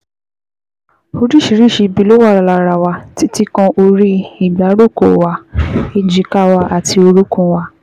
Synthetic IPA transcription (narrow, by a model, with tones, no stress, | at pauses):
o˧ɾi˦˨ʃi˨ɾi˦˨ʃi˧bi˨˦lo˦wa˦˨ɾa˨la˨˧ɾa˨wa˧ti˨˦ti˦kɔ̃˧ʔo˧ɾi˦i˨ɡ͡ba˨˦ɾo˦˨ko̰˨wa˨˦i˧d͡ʒi˨˦ka˦wa˧ʔa˨tʰi˧o˧ɾu˦kũ˦˧wa˧